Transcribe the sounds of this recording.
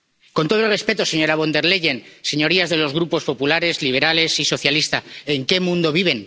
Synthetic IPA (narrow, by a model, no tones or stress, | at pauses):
kont̪o̞ðolrespe̞t̪o̞seɲo̞ɾaβ̞o̞nd̪e̞ɾle̞ʝe̞nse̞ɲo̞ɾiazðe̞lo̞zɣɾupo̞spo̞pulaɾe̞zliβe̞ɾale̞siso̞θjalist̪aeŋke̞mũnd̪o̞β̞iβ̞e̞n